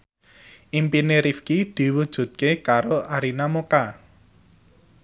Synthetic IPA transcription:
ʔimpineɾifkid̪̥i̤wud̥ʒ̥ṳt̪̚kekaɾoʔaɾinamoka

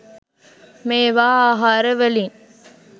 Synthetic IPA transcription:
meːʋaːaɦaːɾəʋəliŋ

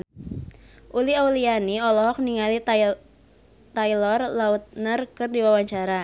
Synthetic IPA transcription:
ʔuliaulianiɔlɔɦɔk̚niŋali | t̪ajlɔrlaut̪̚nərkɨrdiwawaɲt͡ʃaɾa

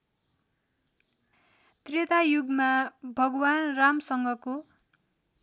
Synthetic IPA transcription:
t̪ret̪ajuɡmabʱʌɡwanramsʌŋɡʌko

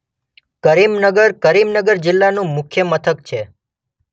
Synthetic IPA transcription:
kəɾimnəɡəɾkəɾimnəɡəɾd͡ʒɪlːanũmʊkʰjəmət̪ʰək̚t͡ʃʰe

